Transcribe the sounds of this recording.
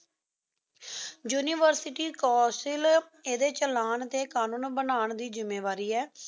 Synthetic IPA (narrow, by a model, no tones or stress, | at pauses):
juːniːʋəɾsɪʈiːkɔːsɪl | eːd̪eːt͡ʃəlaːɳt̪eːkaːnũːnbənaːɳd̪iːzɪmːeːʋaːɾiːɛː